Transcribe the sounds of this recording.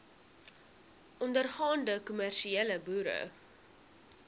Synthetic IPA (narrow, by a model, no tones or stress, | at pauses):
ʔɔndərχɑːndəkumærʃieːləbuːɾə̰